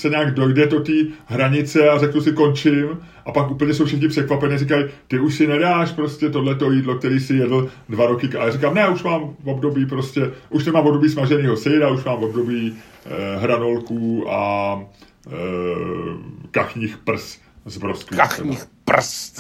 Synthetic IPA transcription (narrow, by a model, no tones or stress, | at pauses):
sɛɲaːɡdo̞jdɛd̪o̞t̪iːɦɾaɲɪt͡sɛarɛknusɪko̞nt͡ʃɪm | ʔapakʔuːpl̩ɲɛsowfʃɛxɲɪpr̝̥ɛkvapɛniːrɪk̬ajt̪ɪuʃsɪnɛdaːʃpɾo̞scɛt̪odlɛt̪̬o̞jiːdlo̞k̚t̪ɛɾiːsɪjɛdl̩dvaɾo̞kɪajaːrikamnɛuʃmaːmvo̞bdo̞biːp̬ɾo̞scɛʔuʃnɛmaːmvobdobiːsmaʒɛniːɦo̞sɛjdauʃmaːmvo̞bdo̞biː | ɦɾano̞lkuːa | kaxɲiːxpr̩s | zbɾoskʋiɛ̰ɲḭps